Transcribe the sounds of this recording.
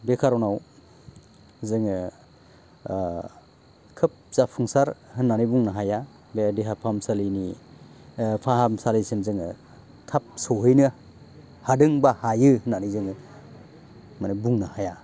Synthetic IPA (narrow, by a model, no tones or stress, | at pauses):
bekʰaɾɔnaw | zɯŋɯ | kʰɯp̚z̥apʰuŋsaɾhɯnːanijbuŋnaɦaja | bedeɦapʰamsalini | pʰaɦamsalijsinzɯŋɯ | tʰap̚sɔɦɯjnɯ | hadɯŋbahajɯhɯnːanijzɯŋɯ | manɯbuŋnahaja